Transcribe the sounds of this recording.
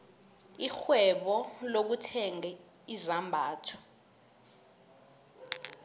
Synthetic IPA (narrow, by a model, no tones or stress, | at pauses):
ixwɛɓɔlok̬utʰɛŋɛ | izambʱaːtʰɔ̥